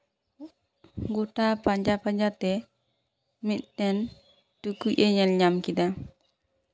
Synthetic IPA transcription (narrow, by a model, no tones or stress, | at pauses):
ŋɡutapaɲd͡ʒapaɲd͡ʒatɛ | mitːɛn | tukːuʔɛɲɛlɲamkida